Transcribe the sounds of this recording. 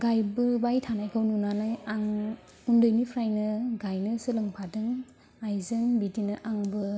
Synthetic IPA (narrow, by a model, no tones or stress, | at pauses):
ɡajbɯbajtʰanajkʰawnunanajaŋ | undɯjnipʰɾajnɯɡajnɯsɯlɯŋpʰadɯŋ | ajzɯnbidinɯʔaŋbɯ